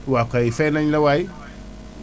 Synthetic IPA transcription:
wakaifenaɲlawai

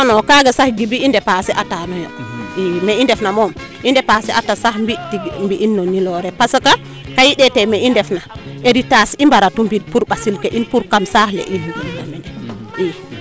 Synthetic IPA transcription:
ɔnɔkaɡasahɡibiːndɛpasɛʔatanɔjɔ̰imɛindɛfnamɔm | ʔindɛpasɛʔatasahmbitimbiʔːnːɔnːilɔɾɛpasɔka | kajiɗɛtɛmɛʔindɛfnaeɾitasimbaɾatumbipuɾbasilkɛʔinpuɾkamsahlɛ̰ʔihɡilina̰mɛndɛi

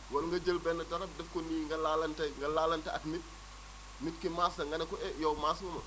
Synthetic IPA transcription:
wɐlŋɡɐd͡ʒəlbɛnːɐtɐɾɐp̚dɛfkɔniːŋɡɐlalɐntɐŋɡɐlaːlɐntɐɐtmit̚ | mitkimasɐŋɡɐnɐkɔɛjowmaːsmɐmɐ̰

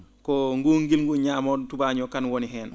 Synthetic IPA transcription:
kɔŋɡuŋɡilŋɡuɲamɔtubaɲɔkanwɔniɦɛːn

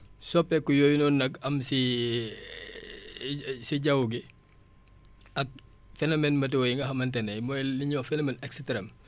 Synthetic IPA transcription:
sɔpːɛkːujojnɔnːɐkɐmsi | siɟɐwuɡi | ɐk̚ | fɛnɐmɛnmɐtɛwɔjiŋɡɐɦɐmɐntɛnɐjmɔliɲɔfɛnɐmenɛkstɾɛm

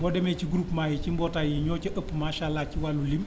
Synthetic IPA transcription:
bɔdɛmɛciɡɾuːpmaːjit͡ʃimbɔtajiɲɔːt͡ʃəʔəpːmaʃaːlːaciwalulim

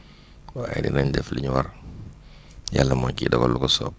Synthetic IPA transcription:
waːjidḭnaɲdɛfliɲwaɾ | ja̰lːɐmɔɲkidɔɡɔ̰lːukɔsɔ̰p̚

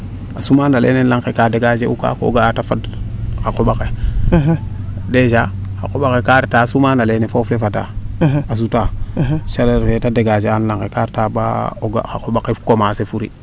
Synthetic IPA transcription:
asumaːnalʔḛːnenlaŋkekadeɡad͡ʒeʔuka̰ko̰o̰ɡatafadxakoɓake | deʃaxa̰koɓakekaɾtasumaːnalenefoflefata̰as̬utaʃaleɾfetadeɡad͡ʒeanlaŋkekaɾtaba̰oɡa̰xakoɓakekomaːsefuɾḭ

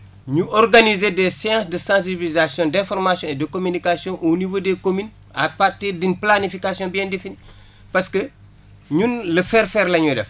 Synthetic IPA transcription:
ɲuɔrɡanizedɛsɛjɑ̃ːsdəsɑ̃ːs̬ibilizasjɔ̃dɛ̃fɔrmasjɔ̃ɛdəkomynikasjɔ̃ʔonivoːdekomyn | apatedinplanifikasjɔ̃biɛ̃ndefini | pɐskə | ɲunləfɛːɾfɛɾlɐɲudɛ̰f

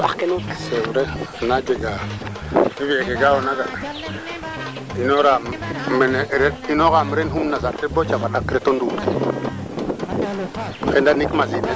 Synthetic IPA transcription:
akenusewuɾeanad͡ʒeɡa | nibieɡeɡawonaɡa | inoɾammeneɾeinoɣamɾenɦumnazaɾfebot͡ʃavaɗakɾetonduti | xendanikmazine

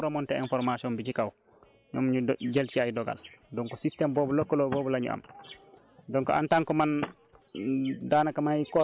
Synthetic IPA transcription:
ɾɔmɔntɛɛnfɔɾmasiɔnbicikaw | ɲmɲuɟelt͡ʃiajdɔɡa̰ldɔŋkɔsistɛmbɔːbɔlokːɔlobɔːbɔlaɲṵʔa̰m | dɔŋkɔ̰ʔa̰ntaŋkɔman | daːnakamaikɔ

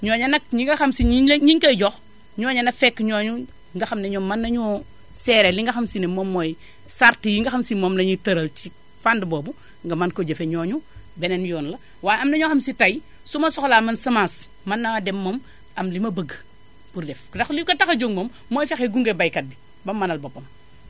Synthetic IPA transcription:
ɲɔːɲɐnɐkɲiŋɡɐxɐmsiiɲiŋkɐjɟɔx | ɲɔːɲɐnɐfɛkːɲɔːɲu | ŋɡɐxɐmnɐɲɔmanːɐɲɔː | sɛːɾeliŋɡɐxamsinemomːoj | saɾtijiŋɡɐxamsimoːmlɐɲitɐɾɐlt͡ʃi | fandboːbu | ŋɡɐmankoɟɐfeɲɔːɲubenenjɔːnlɐ | waːjɐmnɐɲɔxamsitaj | sumɐsɔxlaːmɐnsɐmaːs | manːɐdɛmːom | ʔɐmlimɐbɐɡ | buɾdɛfdɐxlikɐtaxɐd͡ʒoŋmoːmːojfexeɡuŋɡebajkɐt̚bi | bɐmːanɐlbopːɐm

